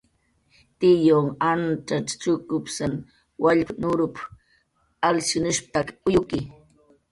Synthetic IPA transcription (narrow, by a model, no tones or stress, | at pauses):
t̪ɪjoŋant͡ʃaʈ͡ʂt͡ʃʊkʊpsan | waʎpnʊɾʊp | alsɪnʊʃpt̪akʊjʊkɪ